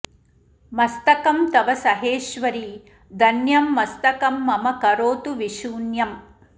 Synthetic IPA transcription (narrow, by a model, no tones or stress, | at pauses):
mɐst̪ɐkɐmt̪ɐʋɐsɐɦeːʃʋɐɾiː | d̪ɐnjɐmːɐst̪ɐkɐmːɐmɐkɐɾoːt̪uʋiʃuːnjɐm